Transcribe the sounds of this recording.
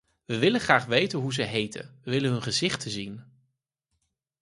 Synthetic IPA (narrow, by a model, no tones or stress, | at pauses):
ʋəʋɪləχraːχʋejtənɦuzəɦejtə̰nʋəʋɪlənɦɵnχəzɪχtʰəzin